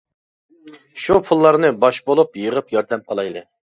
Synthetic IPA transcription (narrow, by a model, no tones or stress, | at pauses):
ʃupʰulˠːɑɾnɨbɑʃbolˠupjəʁəpjɑɾd̪ɛmqʰɑlˠɑjlˠɨ